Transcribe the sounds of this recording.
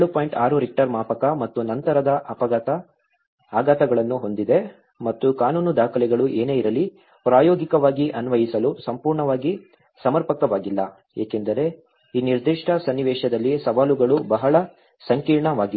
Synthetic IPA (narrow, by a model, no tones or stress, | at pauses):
eɭupoːjɳʈaːɾuɾik̚ʈɐɾmaːpɐkɐmɐt̪ːunɐnt̪ɐɾɐd̪ɐɐpɐ | aːɡɐt̪ɐɡɐɭɐnːuɦo̞nd̪id̪e̞ | mɐt̪ːukaːnuːnud̪aːkʰɐlɛɡɐɭuʔeːne̞ːiɾɐlːi | pɾaːjoːɡikɐʋaːɡiʔɐnʋɐjisɐlusɐmpuːɾɳɐʋaːɡi | sɐmɐɾpɐkɐʋaːɡilːɐ | ḛːke̞nd̪ɐɾe̞ | iːniɾd̪iʂʈʰɐsɐnːiʋɛːʂɐd̪ɐlːisɐʋaːluɡɐɭubɐɦɐɭɐ | sɐŋkiːɾɳɐʋaːɡie